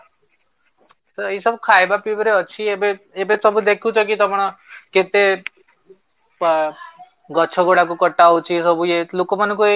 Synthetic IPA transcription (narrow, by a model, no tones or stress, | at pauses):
səisəbʱkʰajbapibɾeət͡ʃʰiebeebesəbʱud̪ekʰũt͡ʃʰɔk̬it̪ɔpɽ̃ɔket̪e | ɡət͡ʃʰɔɡoɽak̬ukəʈːaʋut͡ʃʰisəbʱujelokomankue